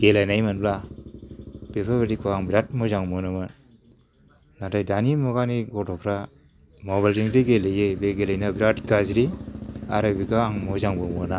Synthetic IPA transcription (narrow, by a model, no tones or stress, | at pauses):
ɡ̥elajnajmanbla | b̥epʰabedikʰoaŋbiɾat̚mɔzaŋmɔnɯmɯn | natajdanimɔɡaniɡɔtɔpʰɾa | mɔβajlziŋdeɡelejebeɡelajnabiɾatɡazɾiaɾɯbiɡaːŋmɔzaŋbɯmɔna